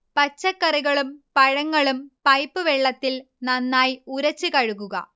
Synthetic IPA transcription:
pɐt͡ɕːɐkːɐriɣɐɭumpɐɻɐŋːɐɭumpɐjpːɨʋeɭːɐt̪ːil | nɐnːaːjuɾɐt͡ɕːɨkɐɻukːuɣɐ̰

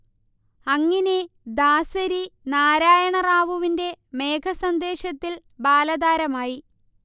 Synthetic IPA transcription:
ɐŋːɐne | d̪aːsɐɾinaːɾaːjɐɳɐraːʋuʋinde̞me̞ːkʰɐsɐnd̪e̞ːɕɐt̪ːil | baːlɐðaːɾɐmaːji

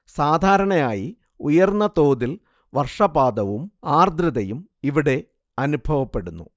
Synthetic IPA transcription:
saːd̪ʱaːɾɐɳɐjaːji | ujɐrnːɐt̪o̞ːd̪il | ʋɐrʂɐbaːd̪ɐʋumaːrd̪ɾɐðɐjumiʋiɽe̞ | ɐnubʱɐʋɐpːe̞ɽunːṵ

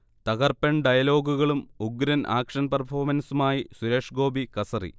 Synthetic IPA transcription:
t̪ɐɣɐrpɐɳɖɐjɐlo̞ːɡuɣɐɭumuɡɾɐnʔa̰ːkʂɐnpɐrpʰoːmɐnsumaːjisuɾeːʂɡo̞ːbikɐsɐrḭ

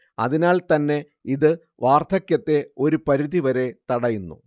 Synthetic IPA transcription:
ɐ̰ðinaːɭt̪ɐnːe̞ | iðɨ | ʋaːrt̪ʰɐkjɐt̪ːe̞o̞ɾupɐɾiðiʋɐɾe̞t̪ɐɽɐjunːṵ

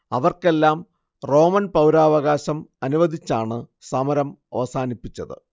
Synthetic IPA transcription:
ɐʋɐrke̞lːaːm | ro̞ːmɐnpɐwɾaːʋɐɣaːɕɐmɐnuʋɐd̪ʱit͡ɕːaːɳɨ | sɐmɐɾɐmɐ̰ʋɐsaːnipːit͡ɕːɐðɨ̰

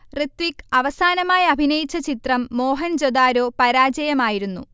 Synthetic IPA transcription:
rit̪ʋikːɐʋɐsaːnɐmaːjɐbʱinɐjit͡ɕːɐt͡ɕit̪rɐmːo̞ːɦɐnd͡ʑod̪aːɾo̞ːpɐɾaːd͡ʑɐjɐmaːjiɾunːṵ

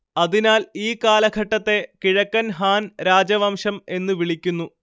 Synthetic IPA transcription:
ɐðinaːliːkaːlɐɡʱɐʈːɐt̪ːe̞kiɻɐkːɐnɦaːnɾaːd͡ʑɐʋɐmʂɐme̞nːɨʋiɭikʲːunːu

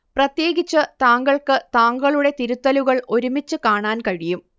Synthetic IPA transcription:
prɐt̪je̞ːɡit͡ɕːɨt̪aːŋɡɐɭkɨt̪aːŋɡɐɭuɽe̞t̪iɾut̪ːɐluɣɐɭo̞ɾumit͡ɕːɨkaːɳaːnkɐɻijum

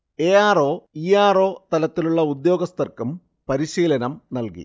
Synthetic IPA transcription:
e̞ːaːroːiaːro̞ːt̪ɐlɐt̪ːiluɭːɐud̪jo̞ːɡɐst̪ɐrkum | pɐɾiɕiːlɐnɐmnɐlkḭ

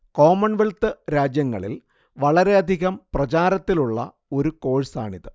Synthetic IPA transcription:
ko̞ːmɐɳʋiɭt̪ɨɾaːd͡ʑjɐŋːɐ̰ɭḭl | ʋɐɭɐɾe̞ɐd̪ʱiɣɐmprɐt͡ɕaːɾɐt̪ːiluɭːɐ̰ | o̞ɾuko̞ːɻsaːɳiðɨ

